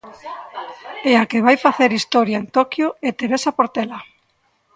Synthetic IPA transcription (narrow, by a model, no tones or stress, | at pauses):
eakeβajfaθeɾist̪ɔɾjaent̪okjʊet̪eɾesapoɾt̪ela